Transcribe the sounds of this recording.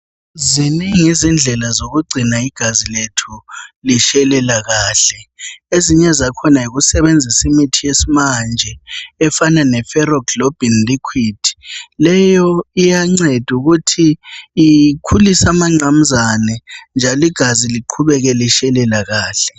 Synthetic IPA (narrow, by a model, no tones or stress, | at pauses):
ziniŋizind͡ɮʱɛlazoɣuɡ͡ǀʱinaiɡ̥ʱaziletʰuliʃɛlɛlaɣaːɬɛeziɲɛzakʰɔnaiɣusɛβend͡zʱisimitʰijesimand͡ʒʱɛɛfananɛfɛrɔɡlob̥ʱinlikʰwid̥ʰʱi̥lɛjɔijaŋ͡ǀed̥ʱuɣutʰiː | kʰulisamaŋ͡ǀam̩zanɛnd͡ʒʱalɔiɡ̥ʱaziliǃʰuβɛɣɛliʃɛlɛlaɣaːɬɛ̥